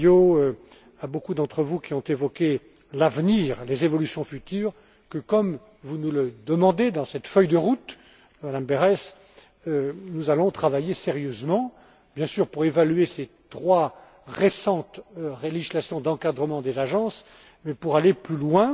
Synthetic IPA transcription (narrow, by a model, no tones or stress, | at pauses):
oø | abokud̪ɑ̃t̪χəvukʲiɔ̃t̪evɔkʲe | lavniːʁlezevɔlysjɔ̃fyt̪yːʁ | kəkɔm | vunuləd̪əmɑ̃d̪ed̪ɑ̃sɛt̪fœjd̪əʁut̪ | mad̪ambeʁɛs | ønuzalɔ̃t̪χavajeseʁjøzmɑ̃ | bjɛ̃syʁpuʁevalyeset̪χwa | ʁesɑ̃t̪ʁelislasjɔ̃d̪ɑ̃kad̪ʁəmɑ̃d̪ezaʒɑ̃s | mɛpuʁaleplylwɛ̃